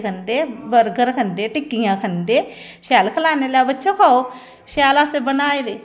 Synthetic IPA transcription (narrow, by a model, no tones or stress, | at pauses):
kʰənd̪eːbəɾɡəɾkʰənd̪eːʈɪkːijãːkʰənd̪eː | ʃɛːlkʰəlaːneːlaːbətːʃʰõːkʰaːoː | ʃaːlaːsebənaːeːd̪eː